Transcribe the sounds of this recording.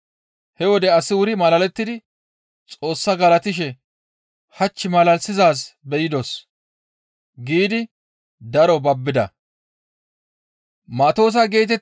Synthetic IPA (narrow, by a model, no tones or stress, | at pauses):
hɛwɔd̪ɛɐsɪwʊɾɪmɐlɐlɛt̪ːɪd̪ɪ | t͡sʼo̞ːsːɐɡɐlɐt̪ɪʃ̬ɛ | hɐt͡ʃːɪmɐlɐlsɪzaːs̬bɛjɪd̪os | ɡiːd̪ɪ | d̪ɐɾɔbɐbːɪd̪ɐ̰ | mɐt̪o̞ːs̬ɐɡe̞ːt̪ɛ